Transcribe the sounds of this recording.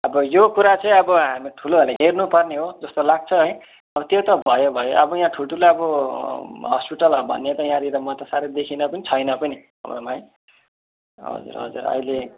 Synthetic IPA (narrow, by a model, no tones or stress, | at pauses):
ʌbʌjokuɾat͡sʌĩʌbʌɦamiʈʰuloɦʌlaɦernupʌrneɦod͡zʌst̪olaɡ̚t͡sʰʌɦʌj̃ | ʌbʌt̪jot̪ʌbʱʌjobʱʌjoʔʌ̰bʌjãʈʰuʈulaʌbʌ | ɦʌspiʈʌlɦʌbʱʌ̰nːet̪ʌjãɾiɾʌmʌt̪ʌsaɾed̪ekʰinʌpʌnit͡sʰʌjnʌpʌni | ʌ̰mro̰maj | ɦʌ̰d͡zṵrɦʌ̰d͡zṵrʌ̰jle